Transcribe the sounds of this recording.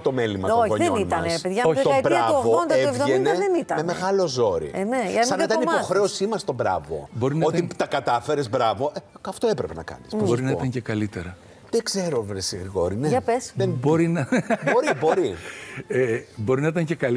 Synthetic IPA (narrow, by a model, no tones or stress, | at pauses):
t̪o̞melimɐt̪ooeoit̪ɐɐneseðʝɐobɾɾɐɣoond̪ɐevoʝenenit̪ɐnmemeɣɐlo̞zo̞ɾḭemeɐsɐnet̪ɐnipo̞xɾe̞o̞simɐst̪o̞bɾɐ̰vo̞̰bo̞ɾinoit̪ɐkɐt̪ɐfe̞ɾezbɾɐvo̞ʔeɐft̪o̞epɾepe̞nɐ̰kɐ̰nisboɾinɐit̪ɐɲcekɐlit̪eɾɐ | ðeɡz̥e̞ɾovɾesiɣɾiɣo̞ɾineɐpesðeboɾinɐboɾibo̞ɾiebo̞ɾinɐit̪ɐɲce̞kɐl